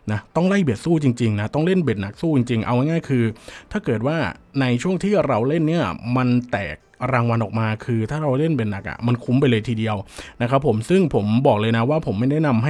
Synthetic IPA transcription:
na˦˥t̪ɔ˥˩ŋla˥˩jbi˨˩ət̪̚suː˥˩t͡ɕi˧ŋt͡ɕi˧ŋna˦˥t̪ɔ˥˩ŋle˥˩nbe˨˩t̪̚na˨˩k̚suː˥˩t͡ɕi˧ŋt͡ɕi˧ŋʔa˧wna˥˩ŋaː˥˩jkʰɯː˧t̪ʰaː˥˩kɤː˨˩t̪̚waː˥˩na˧jt͡ɕʰu˥˩əŋt̪ʰiː˥˩ɾa˧wle˥˩nːi˥˩ɐma˧nt̪ɛ̰ː˨˩k̚ɾaː˧ŋwa˧nʔɔː˨˩k̚maː˧kʰɯː˧t̪ʰaː˥˩ɾa˧wle˥˩nbe˨˩t̪̚na˨˩k̚ʔa̰˨˩ma˧nkʰu˦˥mp̬a˧jlɤː˧jt̪ʰiː˧di˧əwna˦˥kʰa˦˥pʰːo˩˦msɯ˥˩ŋpʰo˩˦mbɔː˨˩k̚lɤː˧jna˦˥waː˥˩pʰo˩˦mːa˥˩jda˥˩jna˧mɦa˥˩

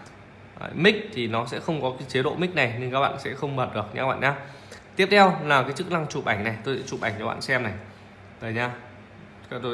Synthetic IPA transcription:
mï˦˥k̟̚t̪ʰi˨˩nɔ˨˦sɛ̰˧˥xə˧wŋ͡mkɔ˨˦kaː˨˦jt͡ɕe˨˦ɗo̰˧˨mï˦˥k̟̚na˨˩jne˧nŋkaː˦˥k̚ɓa̰ː˧˨sɛ̰˧˥xə˧wŋ͡mɓəː˨˩t̚ɗɨ˨˩ək̚ɲa̰ː˧ɓa̰ː˧˨ɲaː˧ | t̪i˦˥əp̚t̪ʰɛ˧wlaː˨˩kaː˨˦jt͡ɕɨ˦˥k̚na˧ŋt͡ɕu˨˩p̚ʔa˧˩jŋ̟na˨˩jt̪o˧jsɛ̰˧˥t͡ɕu˨˩p̚a̰˨˩jŋ̟t͡ɕɔ˨˦ɓa̰ː˧˨sɛ˧mna˨˩j | zəː˨˩jɲaː˧ | t̪o˧

